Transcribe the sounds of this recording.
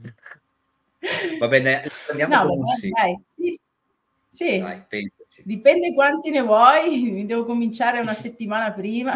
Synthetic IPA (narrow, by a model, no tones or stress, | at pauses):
vabɛnɛlpɾend̪jamnɔaɛsiajsi | sia̰pesid̪ipɛnd̪ekwant̪inevwɔjmid̪ɛːvokomint͡ʃaːɾeunaset̪ːimaːnapɾiːma